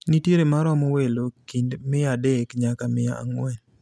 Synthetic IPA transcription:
nitjeɾemaɾɔmɔwelokindmɪadɛkɲakamɪja̰a̰ŋwɛn

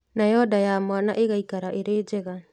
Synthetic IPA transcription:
najɔdajaːmoanaʔeɣaikaɾaʔeɾeːd͡ʒeɣa

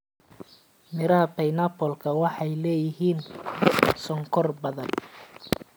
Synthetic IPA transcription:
mɪɾɐɦɐpɛjnɐpʰɔlkʰɐwɑħɑjlɛːjɪɦiːn | sɔŋkʰɔrbɐðɐn

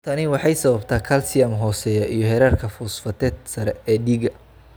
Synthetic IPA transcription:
t̪ʰɐnɪwɑħɑjsɐβɐbt̪ʰaːkʰɐlsɪjɐmɦɔːsɛjɐʔijɔɦɛɾaːrkʰɐfʊsfɐt̪ʰɛːd̪sɐɾɛɛːɖiːɡɐ

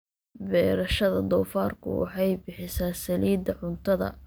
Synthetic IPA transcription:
bɛːɾɐʃɐðɐd̪ɔːfaːrkʰʊ̰wɑ̰ħɑjbɪħɪsaːsɐliːd̪ɐʕʊnt̪ʰɐðɐ̰

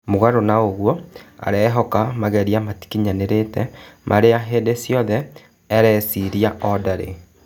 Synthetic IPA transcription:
moɣaɾonaoɣwɔa̰ɾɛɦɔkamaɣɛɾiamati̥kiɲaneɾetɛmʔaɾeaɦeːdesjɔðɛː | ɾɛsiɾiaʔɔdaɾḛ

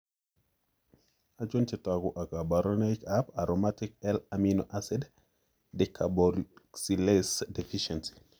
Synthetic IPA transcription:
ad͡ʒɔnt͡ʃɛtaɡuʔakabaɾɔnajkapaɾomatik̚ɛlaminoʔasɛd | dɛkʰabɔksilesdɛfiʃɛnsi̥

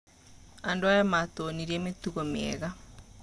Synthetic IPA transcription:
andoajamat̪oniɾiɛmet̪uɣomeɛ̰ɣa

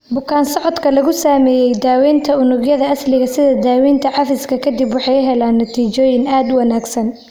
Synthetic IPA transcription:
bʊkʰaːnsɔʕɔd̪kʰɐlɐɣʊsaːmɛːjɛjd̪aːwiːnt̪ʰɐʊnʊɡjɐðɐʔɐslɪɣɐsɪðɐd̪aːwiːnt̪ʰɐʕɑfɪskʰɐkʰɐd̪ibwɑħɑjʊɦɛlaːnːɐt̪ʰiːt͡ʃɔːjɪnaːd̪ʊwɐnaːɡsɐn

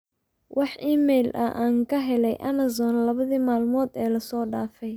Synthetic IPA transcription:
wʔɑħʔiːmɛjlʔɐ̰ʔaːŋkʰɐɦɛlɛ̰jʔɐ̰mɐzɔːnlɐβɐðiːmaːlmɔːd̪ɛːlɐsɔːɖaːfɛj

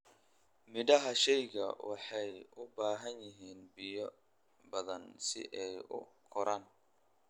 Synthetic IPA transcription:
mɪdɐɦɐʃɛjɡɐ̰wɑħɑjʊbaːɦɐnjɪɦiːnbɪjɔ | bɐðɐnsɪ̰ʔɛjʊ̰kʰɔɾʔaːn

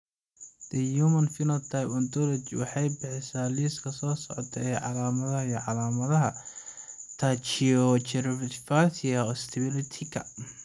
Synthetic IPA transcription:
d̪̥ɐjumɐnfɪnɐt̪ʰajpɔnd̪ɔlɔt͡ʃwɑħɑjbɪħɛsaːliːskʰɐsɔːsɔʕɔ̰t̪ʰɐɛʕɑ̰laːmɐðɐɦɐijɔʕɑlaːmɐðɐɦɐ | t̪ʰaːt͡ʃiɔt͡ʃɛɾβtfasɪɐɔːst̪ʰɛβɪlɪt̪ʰɪkʰɐ̰

